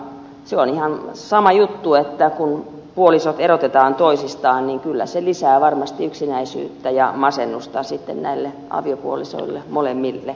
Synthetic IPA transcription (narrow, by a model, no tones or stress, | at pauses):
seonihɑnsɑmɑjut̪ːuet̪ːækun | puolisot̪erot̪et̪ɑːnt̪oisist̪ɑːnniŋkylːæ̰selisæːʋɑrmɑst̪iyksinæisy̰ːt̪ːæjɑmɑsenːust̪ɑsit̪ːennæ̰ilːe | ʔɑ̰ʋiopuoliso̰ilːemolemːilːe